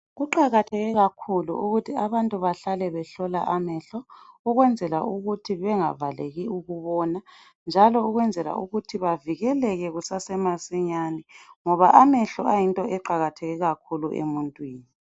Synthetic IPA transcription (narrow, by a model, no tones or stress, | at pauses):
ɣuǃaɣatʰɛɣɛɣakʰulṵʔuɣutʰiaβantʼuβaɬalɛβɛɬɔla̰ʔamɛɬɔuɣwɛnd͡zʱɛla̰uɣutʰiβɛŋa̰valeɣiuɣuβɔna | nd͡ʒʱalɔuɣwɛnd͡zʱɛla̰ʔuɣutʰiβaviɣɛlɛɣɛɣusasɛmasɛɲanɛŋɔβaʔamɛɬɔajintʼɔʔɛǃaɣatʰɛɣɛɣakʰuluʔḛmuntʼwiːni